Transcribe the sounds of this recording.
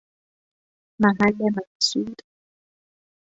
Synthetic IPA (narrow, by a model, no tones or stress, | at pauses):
mamalɛmasuːt